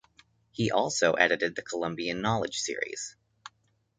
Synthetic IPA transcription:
hiʔɔlˠsoʊʔɛɾɨɾɨd̪̚ðɨkʰəlʌ̃mbiɨ̃nːɑlˠɨd̥ʒ̥sɪ̰ɹḭz̥

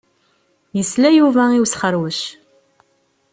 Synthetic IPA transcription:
jəslæjuvæiwsχəɾwəʃ

